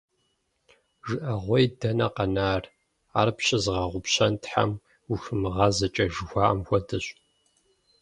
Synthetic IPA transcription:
ʒɨʔɐʁʷɔjdɐnɐqɐnaːr | aːrpɕɪzʁɐʁʷʊpɕɐntħa̰m | uxɨmɨʁɐzɐt͡ʃʼɐʒɨxʷɑːmxʷɔdɨɕ

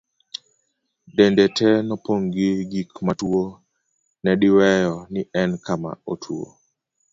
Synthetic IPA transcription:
dendɛtʰɛnɔpoŋɡɪɡikmatuo | nɛɗiwɛjɔnɪɛnkama̰otʰuo̰

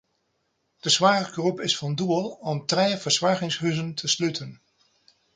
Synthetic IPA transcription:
d̥əsʋaːrəɡrupɪsfɑnduəlˠɔmtrejvəɹsʋaɹχɪŋsɦɵzəntʰəslɵtʰən

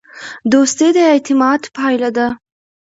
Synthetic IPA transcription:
d̪ost̪ed̪əɪt̪ɪmɑd̪pɑjlad̪a

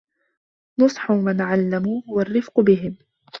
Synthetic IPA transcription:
nʊsˤħʊmanʕalːamuːhʊwarːɪfqʊbɪɦɪm

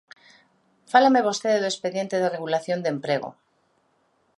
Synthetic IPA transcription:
falemeβ̞o̞st̪eðeðuespeðje̞nt̪eðereɣulaθjo̞nd̪empɾeɣ̞o̰

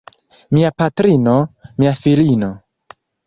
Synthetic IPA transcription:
miapatɾino̞miafilino̞

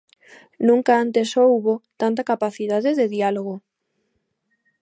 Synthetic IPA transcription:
nũŋkaant̪esouβot̪ant̪akapaθiðaðeðeðialoɣ̞o

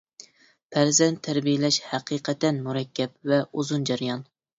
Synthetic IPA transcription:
pʰæɾzɛnt̪ʰːæɾbijɪlɛʃhæqʰiːqʰɛt̪ːɛnmuɾɛkʲːɛp̚vɛuzund͡ʒæɾjɑn

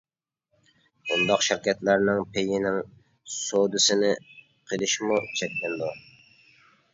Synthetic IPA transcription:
und̪ɑqʃɪɾkʲɛt̪læɾnɪŋpʰeɡʲɪnɪŋ | sod̪ɨsɪnɪ | qʰəlˠɪʃmut͡ʃʰɛkʲlɪnd̪u

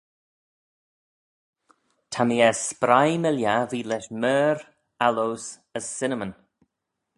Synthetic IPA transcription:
tʰamiːɛspɾajmɪljaviːlɛʃmɛːɾ | alows | əsːɪnəmən

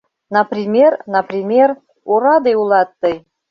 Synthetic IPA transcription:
nəpɾʲimʲernəprʲimʲer | uɾɑd̪ɤjulˠɑt̪ːɤj

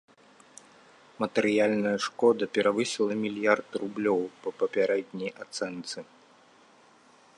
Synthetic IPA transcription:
mɐt̪ɛɾɨjalʲnɐjɐʂkɔd̪ɐpʲɛɾavɨsʲilˠɐmʲilʲjart̪rublʲɔwpɐpɐpʲaɾɛd̪̚ʲnʲɛjʔat̪sɛnt̪sɨ

